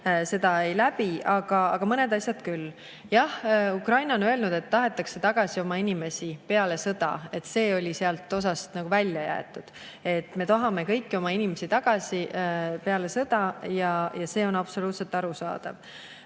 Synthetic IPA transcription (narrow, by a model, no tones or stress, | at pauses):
se̞d̪̥ɑe̞jlæpiɑɡ̥ɑɑ̰ɡ̥ɑmɤne̞d̪ɑsʲjɑd̪̥kylː | jɑhukrɑjnɑonø̞e̞lnud̪̥e̞t̪ːɑɦe̞t̪ːˑɑkse̞t̪ɑɡ̥ɑsio̞mɑinime̞sipe̞ɑle̞sɤd̪̥ɑ̰e̞t̪ːse̞ːo̞lʲiseɑlt̪ːˑo̞s̬ɑst̪nɑɡ̥uvælʲjɑjæ̰ḛt̪ːud̪̥ | e̞t̪ːme̞t̪ɑɦɑme̞kɤjkːio̞mɑinimesit̪ɑɡ̥ɑsʲipe̞ɑle̞sɤd̪̥ɑjɑjɑse̞ːo̞nɑb̥so̞luːt̪se̞lt̪ːɑɾusɑ̰ːd̪̥ɑ̰v